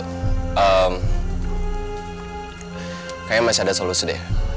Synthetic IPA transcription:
əm | kajamasiadasolusidḛ

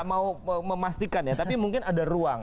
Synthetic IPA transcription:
ʔmauəməmast̪ikanjat̪apimuŋkɪnadaɾuaŋ

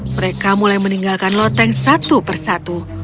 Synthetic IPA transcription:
məɾekamulajməniŋɡalkanlɔt̪ɛŋsat̪upərsat̪u

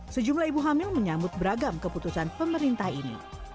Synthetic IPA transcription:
səd͡ʒumlaibuɦamilməɲambʊt̪̚bəɾaɡamkəput̪usanpəməɾint̪ahinḭ

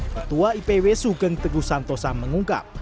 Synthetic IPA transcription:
ət̪uwaipewesuɡəŋt̪əɡusant̪ɔsaməŋuŋka̰p̚

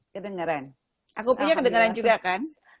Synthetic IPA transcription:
kədəŋəɾan | ʔakupuɲakədəŋəɾand͡ʒuɡakan

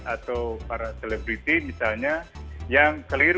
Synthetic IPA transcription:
at̪awpaɾaselebɾit̪imisalɲajaŋkəliɾ

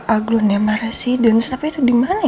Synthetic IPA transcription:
ʔaɡlunɛmaɾasidənst̪apiːt̪udimana

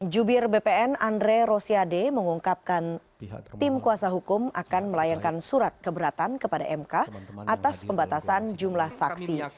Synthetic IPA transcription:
d͡ʒubɪrbepeɛnandɾeɾosiademəŋuŋkap̚kan | t̪ɪmkuasaɦukʊmakanməlajaŋkansuɾat̪̚kəbəɾat̪ankəpada̰ʔɛmkaʔat̪aspəmbat̪asand͡ʒumlahsaksi

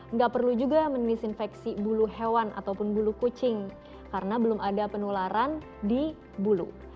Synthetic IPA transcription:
ŋɡaʔpərlud͡ʒuɡamənisinfɛksibuluɦewana̰t̪awpʊnbulukot͡ʃɪŋ | kaɾənabəlʊmʔadapənulaɾan | di | bulṵ

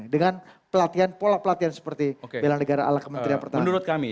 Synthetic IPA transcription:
dəŋanpəlat̪ianpolahpəlat̪iansə̥pərt̪iokebelaŋnəɡaɾaʔa̰lakːəmənt̪ɾiapərt̪amnuɾʊt̪̚kami

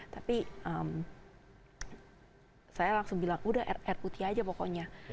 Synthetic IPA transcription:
t̪apiəm | sajalaŋsʊŋbilaŋʔudahɛrkut̪ʰiad͡ʒapokɔɲa

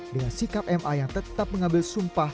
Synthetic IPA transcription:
dəŋansikap̚ɛmʔajaŋt̪ət̪ap̚məŋambɪlsumpah

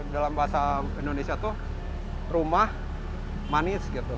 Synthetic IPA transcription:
dalambaɦasaindonesiat̪ʊh | rumah | manɪsɡit̪ʊ

